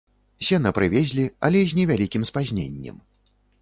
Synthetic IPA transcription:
sʲɛnɐpɾɨvʲɛzʲlʲiɐ̰lʲɛzʲnʲɛvʲalʲikʲimspazʲnʲḛnʲːɛ̰m

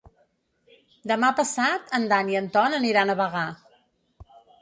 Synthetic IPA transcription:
d̪əmapəsat̪ənd̪aniənt̪ɔnəniɾanəβəɣa

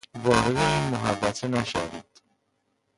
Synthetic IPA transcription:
vɒːɾed̪eiːnmoɦævːæt̪ʰenæʃæ̰vḭːd̪̥

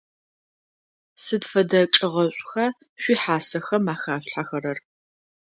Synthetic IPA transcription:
sɨdfɐdɐʈ͡ʂʼɪʁɐɕʷʼxa | ɕʷiːħaːsɐxɐmaːxaːɕɬħaxɐɾɐr

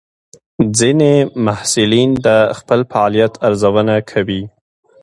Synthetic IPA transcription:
d͡zinemahsulind̪əxpəlfaɑlijat̪ʰaɾzawənakʰawi

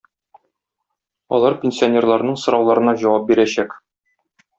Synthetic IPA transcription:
ɒ̰lˠɑɾpʲenʲsʲionʲe̞rlˠɑɾnɤɴsŏɾɒwlˠɑɾɤ̆nɑʑɒwɑp̚biɾæɕæk

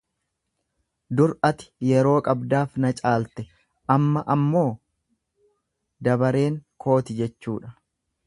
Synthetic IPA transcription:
d̪ʊɾɐt̪ɪ̥jɛɾo̞ːkʼɐbd̪aːfnɐt͡ʃʼaːlt̪ɛ | ʔɐmːɐʔɐmːo̞ː | d̪ɐbɐɾe̞ːŋkʰo̞ːt̪ɪd͡ʒɛt͡ʃːṵːᶑɐ̥

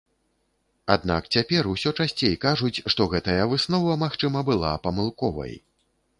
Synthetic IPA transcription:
ad̪na̰kt͡sʲapʲɛrusʲɔt͡ʂasʲt͡sʲejkaʐut͡sʲʂt̪ɔɣɛt̪ɐjɐvɨsnɔvɐmaxt͡ʂɨmɐbɨlˠa̰pɐmɨlˠkɔvɐ̰j

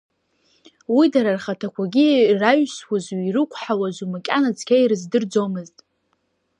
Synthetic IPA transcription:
widaɾarχatʰakʷʰaɡʲiraɥswaziɾɨkʷʼʰħawazʷumakʲʼanad͡zʰʼkʲʰajrɨzdɨrd͡zomɨztʼ

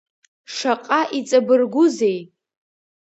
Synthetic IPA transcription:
ʂaqʼaʔit͡sʼabɨrɡʷʊze̞j

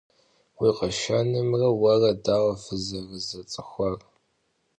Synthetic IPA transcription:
wiːqɐʃanɨmrɐwɐrɐdaːwɐfɨzɐrəzɐt͡sʼɨxʷɐr

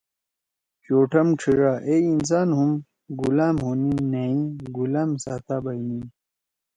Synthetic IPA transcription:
t͡ɕoːʈʰɐmʈ͡ʂʰiʐaːʔeins̬aːnɦum | ɡulaːmhoːninɐĩɡulaːmsaːt̪aːbɐinĩ

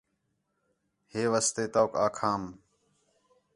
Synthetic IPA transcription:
heːʋast̪eːt̪aːkaːkʰaːm

